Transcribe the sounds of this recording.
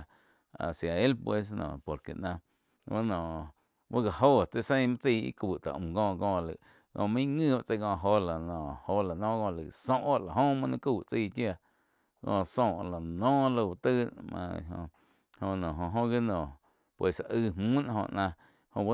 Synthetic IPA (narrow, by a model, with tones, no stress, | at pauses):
a̰˨sja˨e˦lpwe˧s̬nɔ̰̃ː˨po˨ɾkḛ˨ʔnã˧ | wa˦nɔ̃˨ | wa˦ɡa˨ɦoː˦˨t͡se˧˨sẽ˦˧˦mã˦t͡si˧˨ḭ˦kuː˨t̪a̰˨ʔɡɔ̃ː˧˨ɡɔ̃ː˧˨lɨ˨ | kɔ̰̃˧˨mĩ˦ŋɨ̃ː˦˧a˦˨t͡se˧ɡɔ̃ː˧˨ɦo˧la˨nɔ̃˨ho˧˦la˨nɔ̃ː˦ɡɔ̃˧˨lɨ˨sõ˦ʔa˦ʔla˨ɦõ˦mã˧nĩ˦ku˦˧˨t͡si˧˨kja˧˨ | kɔ̰̃ː˧˨sõ˧˨ʔla˨nɔ̃ː˦lo˧˨t̪ɨ˦mã̰˧ɦõ̰˧ | hõ˧nɔ̃˨ɦõ˧ɦõ˦ɡi˦nɔ̃˨ | pwe˧sa˨ʔɨ˧hmũː˦nã˧hõ̰˧ʔnã˧ | hõ˧a˦